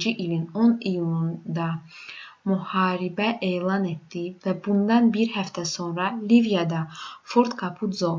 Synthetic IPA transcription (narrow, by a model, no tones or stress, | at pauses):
d͡ʒiʔilinɔnijund̪a | muhaːɾibæʔelˠanep̚t̪ivæbund̪anbiɾhæft̪ʰæsɔnɾalivijad̪afɔɾt̪kʰapʰud̪zɔ